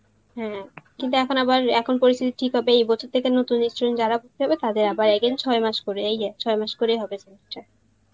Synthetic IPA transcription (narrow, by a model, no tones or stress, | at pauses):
ɦɛ̃kint̪uɛkʰonabaɾɛkʰonpoɾist̪ʰit̪iʈʰikɦɔbeejbɔt͡ɕʰoɾt̪ʰekenot̪unːiʃɾojind͡ʑaɾabuk̚t̪ʰeɦɔbet̪ad̪eɾabaɾɛɡent͡ɕʰɔemaʃkoɾeejɛt͡ɕʰɔemaʃkoɾejɦɔbeseniʈːa